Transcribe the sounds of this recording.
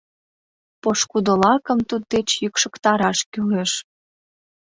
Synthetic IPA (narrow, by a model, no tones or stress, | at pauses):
poʃkud̪əlɑkə̆mt̪ud̪̚d̪et͡ɕjykʃə̆kt̪ɑɾɑʃkyleʃ